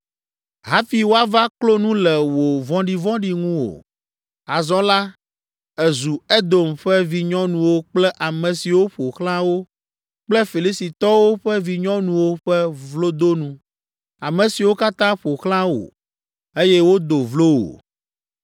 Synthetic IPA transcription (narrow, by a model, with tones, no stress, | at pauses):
ɦa˦fi˨wo˦a˦va˦klo˦nũ˦lɛ˨wo˨vɔ̃˦ɖi˦vɔ̃˦ɖi˦ŋũ˦wo̰˨ | a˨zɔ̃˦la˦ | ɛ˨zu˨ɛ˦d̪o˨mɸɛ˦vi˦ɲɔ̃˦nũ˨wo˦k͡plɛ˦ʔa˨mɛ̃˨si˨wo˦ɸo˨xlã˦wo˦ | k͡plɛ˦fi˨li˦si˨t̪ɔ˦wo˦ɸɛ˦vi˨ɲɔ̃˦nũ˨wo˦ɸɛ˦vlo˦d̪o˦nũ˦ | a˨mɛ̃˨si˨wo˦ka˦t̪ã˦ɸo˨xlã˦wo̰˨ | e˦jɛ˦wo˦d̪o˨vlo˦wo̰˨